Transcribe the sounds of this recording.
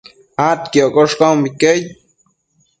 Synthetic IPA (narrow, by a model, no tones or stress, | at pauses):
at̪kjoʔkʼoʂkawmbikej